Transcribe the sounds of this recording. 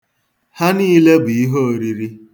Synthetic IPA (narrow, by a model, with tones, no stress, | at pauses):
ha˦ni˦le˦bʊ˨i˦ɦo˦o˨ɾi˦ɾi˦